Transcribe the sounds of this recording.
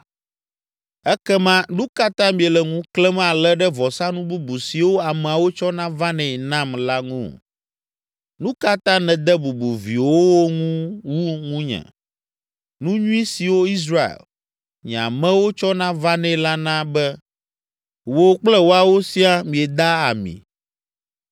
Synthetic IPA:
ɛ˦kɛ˦mã˦nũ˦ka˦t̪ã˦mĩ˨ɛ˨lɛ˨ŋũ˦klɛ˦m̃˦a˨lɛ˦ɖɛ˦vɔ˨sã˦nũ˦bu˦bu˨si˨wo˦a˨mɛ̃˨a˨wo˦t͡ʃɔ˦nã˦va˦nɛ̃˨ɛ˨nã˦mla˦ŋṵ̃˦ | nũ˦ka˦t̪ã˦nɛ̃˨d̪ɛ˦bu˨bu˨vḭ˨wo˦wo˦ŋũ˦wu˦ŋũ˦ɲɛ̰̃˨ | nũ˦ɲũ˦i˦si˨wo˦i˦s̬ɾa˦˨ḛ˨l | ɲɛ̰̃˨a̰˨mɛ̃˦wo˦t͡ʃɔ˦nã˦va˦nɛ̃˦˨˦la˦nã˦bɛ˦ | wo˦k͡plɛ˦wo˦a˨wo˦si˦a˦mĩ˨ɛ˨d̪a˦a̰˨mḭ̃˨

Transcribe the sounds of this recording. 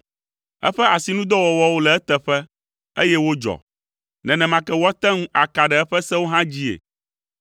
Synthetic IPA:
ɛ̰˦ɸɛ˦a˨si˨nũ˦d̪ɔ˦wɔ˨wɔ˦wo˦lɛ˨ɛ˦t̪ɛ˦ɸɛ˦ | ḛ˦jɛ˦wo˦d͡ʒɔ̰˨ | nɛ̃˨nɛ̃˨mã˨kɛ˦wɔ˦t̪ɛ˦ŋũ˦ʔa˨ka˨ɖɛ˨ɛ˦ɸɛ˦sɛ˦wo˦ɦã˦d͡ʑi˦ḛ˨

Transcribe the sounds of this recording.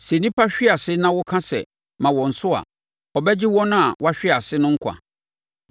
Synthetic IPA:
sɛ˨nĩ˦pʰa˦ɕᶣɪ˦a˨sɪ˦nã˦wʊ˦kʰã˦sɛ̰˨ | mã˨wɔ̃˨n̩˨sʊ˦a̰˨ | ɔ˨bɛ˦d͡ʑɪ˦wɔ̃˦nʊ̃˦a˨wa˦ɕᶣɪ˦a˨sɪ˦nʊ̃˦ŋ̩˦kʰa̰˨

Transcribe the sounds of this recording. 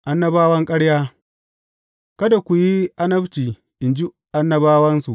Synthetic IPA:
ʔa˦nːɐ˦baː˦wɐ˦ŋkʼɐ˦ɽjaː˦ | kɐ˦da˨kʷu˨ji˦ʔa˦nɐ˦bt͡ʃiː˨ | ʔɪ˨nd͡ʒi˦ | ʔa˦nːɐ˦baː˦wɐ˦nsu˨ʔ

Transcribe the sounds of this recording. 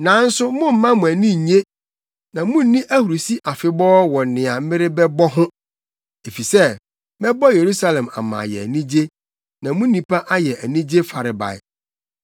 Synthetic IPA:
nã˨˦n̩˦sʊ˦mʊ̃˦m̩˦mã˦mʊ̃˨æ˨nĩ˦˨ɲe˦ | nã˨mũ˦n̩˦nĩ˦ʔæ˦hu˨ɾu˨si˦ʔa˨fɪ˨bɔː˦wɔ̃˨n˨nɪ̃˨a˨m̩˦mɪ̃˦ɾɪ˦bɛ˦bɔ˦ɦʊ̃˦ | e˨fi˨sɛ˦ | mɛ˦bɔ˦je˨ɾu˦sa˦lɛ̃˨ma̰˨mã̰˨jɛ̰˨æ̰˨nĩ˦d͡ʑe˦ | nã˨mũ˦nĩ˨pʰa˦ʔa˦jɛ˨ʔæ˨nĩ˦d͡ʑe˦fa˨ɾɪ˨ba̰˨ɪ̰˨

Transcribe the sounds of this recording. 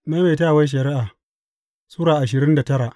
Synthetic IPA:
naː˦ma˨taː˦˨wa˦jʃ̬ɐ˨ɾɪ˦ʔaː˨ | suː˦ɾaː˨ʔa˨ʃ̬ɪ˨ɾɪ˦nda˨tɐ˦ɾa˨ʔ

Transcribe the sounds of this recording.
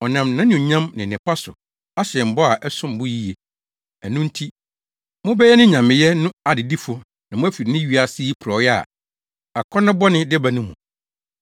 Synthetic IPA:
ɔ˨nã˨mnã˦nʊ̃˨ɲã˦mnɪ̃˨nɪ̃˨pa˦sʊ̰˨ | a˦ɕɛ˨m̩˨bɔ˦a˨ʔɛ˦sʊ̃˦m˨bʊ˦ji˦je˨ | æ˨nũ˦n̩˦tʰi˦ | mʊ̃˦bɛ˦jɛ˦nɪ̃˦ɲã˨mɪ̃˨jɛ˦nʊ̃˦a˨dɪ˨di˦fʊ˦ | nã˨mʊ̃˦æ˦fi˨ɾnɪ̃˦ɥi˦a˨sɪ˦ji˦pʰʊ˨ɾɔ˨˦jɛ˦a̰˨ | a˨kʰɔ˦nʊ̃˦bɔ˦nɪ̃˦dɪ˦ba˨nʊ̃˦mṵ̃˨

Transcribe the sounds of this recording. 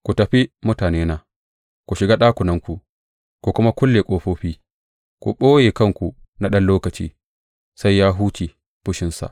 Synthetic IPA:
kʷu˨tɐ˨ɸi˦mʊ˦taː˨neː˦naː˦ | kʷu˨ʃɪ˨ɡaː˦ɗaː˦kʷʊ˨nɐ˦ŋkʷu˨ʔ | kʷu˨kʷʊ˦ma˦kʷʊ˦lːe˨kʷʼoː˦ɸoː˦ɸiː˦ | kʷṵ˨ɓoː˦jeː˨kɐ˦˨ŋkʷu˨ | na˦ɗɐ˦nloː˦kɐ˨t͡ʃḭː˦ | sa˦jːaː˦ɦuː˦t͡ʃiː˨ | b̥ʊ˦ʃɪ˦nsa̰˨ʔ

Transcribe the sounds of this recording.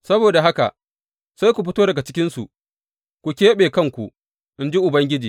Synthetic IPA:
sɐ˦boː˨da˨ɦa˦ka̰˨ | sa˦jkʷu˨ɸɪ˦toː˦dɐ˨ɡa˨t͡ʃɪ˦kʲɪ˦nsṵ˨ʔ | kʷu˨kʲeː˦ɓeː˨kɐ˦˨ŋkʷṵ˨ | ʔɪ˦nd͡ʒi˦ʔʊ˨bɐ˦ŋɡʲɪ˦d͡ʒiː˨

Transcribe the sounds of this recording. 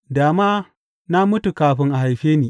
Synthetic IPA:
daː˨maː˦ | na˦mʊ˦tu˨kaː˨ɸɪ˦ŋʔa˨ha˨jɸeː˦niː˨

